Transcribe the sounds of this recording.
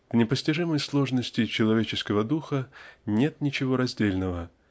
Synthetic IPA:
vnʲɪpəsʲtʲɪʐɨməjslˠo̞ʐnəsʲtʲɪt͡ɕɪlˠɐvʲet͡ɕɪskəvəd̪uxənʲe̞t̪nʲɪt͡ɕɪvo̞ɾɐzʲdʲelʲnəvə

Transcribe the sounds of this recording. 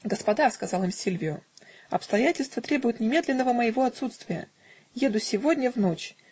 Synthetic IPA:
ɡəspɐd̪askɐzɑlˠɨmsʲilʲvʲɪjʊɐ̰pst̪ɐjætʲɪlʲst̪vət̪ɾʲebʊjɪt̪nʲɪmʲe̞d̪lʲɪnːəvəməjɪvo̞ɐt̪sut̪st̪vʲɪjə̰ | je̞d̪ʊsʲɪvo̞dʲnʲəvno̞t͡ɕ

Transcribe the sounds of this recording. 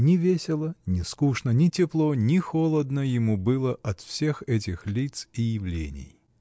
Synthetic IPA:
nʲɪvʲesʲɪlˠənʲɪskuʂnənʲɪtʲɪplˠo̞nʲɪxolˠəd̪nəjɪmubɨlˠəʔɐt̪fsʲe̞xɛt̬ʲɪxlʲit̪sijɪvlʲḛnʲɪ̰j

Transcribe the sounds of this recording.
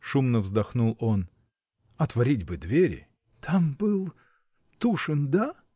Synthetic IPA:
ʂumnəvzd̪ɐxnulˠo̞n | ɐt̪vɐɾʲidʲbɨd̪vʲeɾʲɪ̰ | t̪ʰambɨlˠ | t̪uʂɨnd̪a

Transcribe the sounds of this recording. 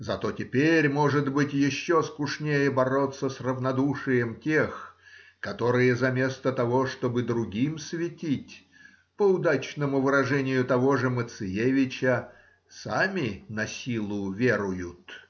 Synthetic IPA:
zɐt̪o̞tʲɪpʲeɾʲmo̞ʐɨd̪bɨtʲjɪɕːoskʊʂnʲejəbɐɾo̞t̪sːəsrəvnɐd̪uʂɨjəmtʲe̞xkɐt̪o̞ɾɨjəzɐmʲe̞st̪ət̪ɐvo̞ʂt̪o̞bɨd̪ɾʊɡʲimsvʲɪtʲitʲ | pəʊd̪at͡ɕnəmʊvɨɾɐʐɛnʲɪjʊt̪ɐvo̞ʐɨmət̪sɨjevʲɪt͡ɕə | samʲɪnɐsʲilˠʊvʲeɾʊjʊt̪

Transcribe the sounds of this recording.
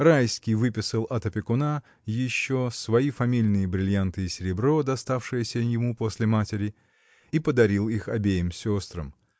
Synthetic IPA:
rajskʲɪjvɨpʲɪsəlˠɐt̪əpʲɪkʊna | jɪɕːo̞svɐifɐmʲilʲnɨjəbɾʲɪlʲjant̪ɨjɪsʲɪɾʲɪbɾo̞d̪ɐst̪afʂɨjəsʲəjɪmupo̞sʲlʲɪmatʲɪɾʲɪ | ipəd̪ɐɾʲilˠixɐbʲejɪmsʲost̪ɾə̰m

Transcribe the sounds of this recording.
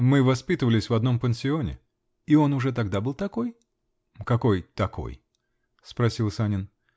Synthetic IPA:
mɨvɐspʲit̪əvəlʲɪsʲvɐd̪no̞mpənsʲɪo̞nʲɪ̰ | io̞nʊʐɛt̪̬ɐɡd̪abɨlˠt̪ɐko̞j | kɐko̞jt̪ɐko̞̰j | spɾɐsʲilˠsanʲɪn

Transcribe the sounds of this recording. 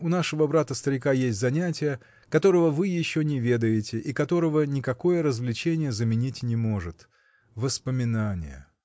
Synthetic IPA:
ʊnaʂɨvəbɾat̪əst̪əɾʲɪkajesʲtʲzɐnʲætʲɪjə | kɐt̪o̞ɾəvəvɨjɪɕːonʲɪvʲe̞d̪əjɪtʲɪʔikɐt̪o̞ɾəvənʲɪkɐko̞jəɾəzvlʲɪt͡ɕenʲɪjəzəmʲɪnʲitʲnʲɪmo̞ʐɨt̪ | vəspəmʲɪnanʲɪ̰jə̰

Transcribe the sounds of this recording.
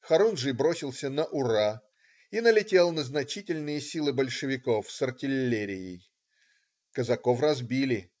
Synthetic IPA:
xɐɾunʐɨjbɾo̞sʲɪlˠsʲənəʔʊra | inəlʲɪtʲe̞lˠnəznɐt͡ɕitʲɪlʲnɨjəsʲilˠɨbəlʲʂɨvʲɪko̞fsərtʲɪlʲːeɾʲɪjɪ̰j | kəzɐko̞frɐzbʲilʲɪ

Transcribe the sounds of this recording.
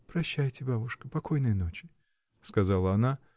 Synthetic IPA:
pɾɐɕːæjtʲɪbabʊʂkəpɐko̞jnɨjəno̞t͡ɕɪ | skɐzalˠəɐna

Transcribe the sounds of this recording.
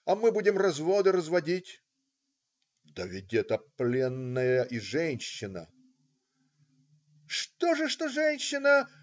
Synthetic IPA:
ɐmɨbudʲɪmrɐzvod̪ɨɾəzvɐdʲitʲ | d̪̥əvʲɪd̪ʲɛt̪əplʲenːəjəʔiʐɛnʲɕːɪnə̰ | ʂt̪oʐɨʂt̪oʐɛnʲɕːɪnə

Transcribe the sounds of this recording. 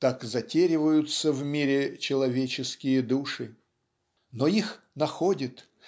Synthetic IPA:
t̪akzɐtʲeɾʲɪvəjʊt̪səvmʲiɾʲɪt͡ɕɪlˠɐvʲet͡ɕɪskʲɪjəd̪uʂɨ | noix | nɐxodʲɪt̪

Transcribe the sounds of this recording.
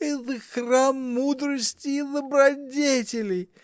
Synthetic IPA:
it̪ɨxramːud̪ɾəsʲtʲiːd̪əbɾadʲetʲɪlʲɪ

